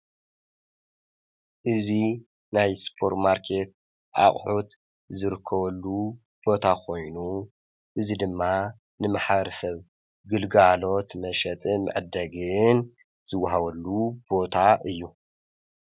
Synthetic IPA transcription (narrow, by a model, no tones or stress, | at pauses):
ʔɨzi | najspʰo̞ɾt̪maɾkʰe̞t̪̚ | ʔa̰χʼħut̪ | zɨɾɨkʰːɐβɐlːu | b̥o̞t̪ʰakʰo̞jnu | ʔɨzid̪ɨmːa | nɨmaħɾsɐβ | ɡɨlɡalo̞t̪mɐʃɐt̪ʼɨmɨ̰ʕd̪ɐɡɨn | z̥ɨwːaɦaβɐlːub̥o̞t̪ʰaʔɨjːu